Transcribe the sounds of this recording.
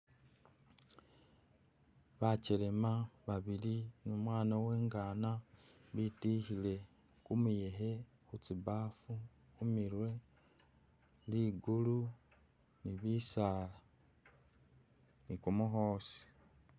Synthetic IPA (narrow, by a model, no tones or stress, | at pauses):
βacelemaβaβilinumwaːnawe̞ːŋɡaːnaβitihile̞ | kumuje̞ɦe̞ | xut͡siβaːfu | umiɾwe̞ | liːɡulu | niβisaːla | nikumuxoːsi̥